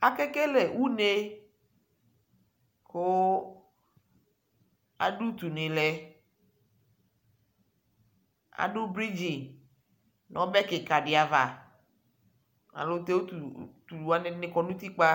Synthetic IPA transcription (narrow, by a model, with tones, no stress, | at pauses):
a˨kɛ˦ke˦le˨wu˦ne˦ | ko˦ | a̰˨ɖu˦t̪u˨nẽ˨lɛ˦ | a̰˨ɖu˦bɾi˦d͡ʒi˨ŋ | nɔ̃˨˦bɛ˦ke˨ka˨ɖi˨a˨va˨ | a̰˨lo˦t̪e˦wo˦tu˨t̪u˨u˨a˦ne˨nẽ˨kɔ˨nũ˦t̪i˦k͡pa˦